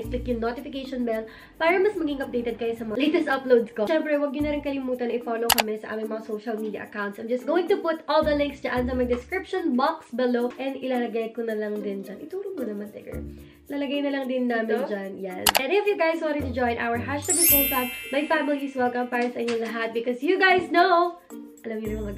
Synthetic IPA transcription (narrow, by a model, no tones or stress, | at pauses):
klɪkjʊŋnot̪ɪfɪkejʃɔnbɛl | paːɾɐmɐsmɐɡɪŋʔɐp̚d̪ejt̪ɛd̪̚kɐjosɐmɐlejt̪ɛst̪ʔɐplowd̪skoʃɛmpɾɛwɐɡ̚d̪ɪnɐɾɪnkɐlɪmuːt̪ɐnɐʔɪfoːlowkɐmɛsɐʔaːmɪŋmɐŋasowʃɐlmid̪jɐ̰ʔɐ̰kawntsʔɐ̃jmd͡ʒɐst̪̚ɡoːwɪŋt̪ʊpʊt̪ʔold̪ɐlɪ̃ŋksd͡ʒaʔɐnsɐmɐɡd̪ɪskɹɪpʃonbaksbɪloʔɛnd̪ʔɪlalɐɡajkonɐlɐŋd̪ɪnd͡ʒanʔɪt̪uːɾomʊnɐmant̪ɛ̰ɡɐ̰ | lalɐɡajnɐlɐŋd̪ɪnːaːmɪnd͡ʒanjanʔɛnd̪ɪfjʊɡajswãnt̪ɪt̪ʊd͡ʒɔ̃j̃nʔa̰wəɹɦaʃt̪ɐbɪpoltanmɐjfamɪliswɛlkɐmpaːɾɐsɐʔɪɲoŋlɐɦat̪̚bɪkɔsjuɡajsnow | ʔɐlɐmjʊnɐmɐŋaɡ